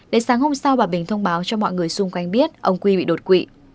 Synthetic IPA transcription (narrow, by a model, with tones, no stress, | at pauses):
ɗe˨˦saː˨˦ŋho˧msa˧wɓaː˨˩ɓï˨˩ŋ̟t̪ʰə˧wŋ͡mɓaː˨˦wt͡ɕɔ˧mɔ̰˧˨jŋɨ˨˩əjsʊ˧ŋ͡mkwa˧jŋɓi˦˥ət̚ʔə˧wŋ͡mkwi˧ɓḭ˧˨ɗo˨˩t̚kwḭ˧˨